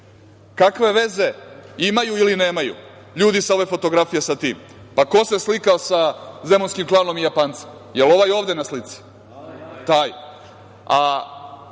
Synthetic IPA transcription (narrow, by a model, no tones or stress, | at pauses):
kakʋe̞ʋe̞ze̞imajuiline̞ːmajṵ | ʎuːd̪isao̞ʋe̞fo̞t̪oɡɾafijesat̪iːm | pako̞seslikaosazemonskimklˠaːno̞mijapaːnt̪sem | je̞lo̞ʋajo̞ːʋd̪e̞naslit̪si̥ | t̪aːj | a